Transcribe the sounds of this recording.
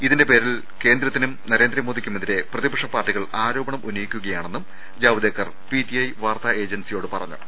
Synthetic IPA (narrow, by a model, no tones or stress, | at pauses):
iðinde̞pe̞ːɾil | ke̞ːnd̪ɾɐt̪ːinumnɐɾe̞ːnd̪ɾɐmoːðikʲːumɐnd̪iɾe̞prɐðibɐkʂɐpːaːrʈːiɣɐɭaːɾo̞ːbɐɳɐmʔunijikʲːuɣɐjaːɳenːum | d͡ʑaːʋɐd̪eːkːɐr | pitiɐjʋaːrt̪ae̞ːd͡ʑɐnsijo̞ːɽɨpɐrɐ̰ɲːṵ